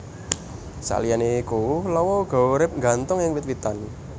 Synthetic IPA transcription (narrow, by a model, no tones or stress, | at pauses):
sa̰lijanekulɔwɔɡ̥a̤oɾɪp̚ŋɡa̤nt̪ʊŋjɪŋwɪt̪̚wit̪an